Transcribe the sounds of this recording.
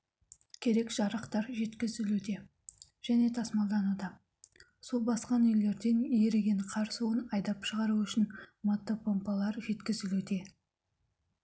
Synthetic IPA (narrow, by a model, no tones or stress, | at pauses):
kʲʰe̞ɾe̞kʒ̥ɑɾəqt̪ɑɾʒe̞t̪kʲɪzɪlwɵt̪e̞ | ʒ̥æne̞t̪ʰɑsmɑlˠd̪ɑnud̪ə | solˠbɑsqɑnʏjle̞ɾd̪e̞njeɾeɡʲe̞ɴqʰɑɾsuənɑjd̪ɑpʃəʁɑɾuʏʃɪnmɑt̪ːəpʰo̞mpɑlˠɑɾʒe̞t̪kʲɪzɪlwɵt̪e̞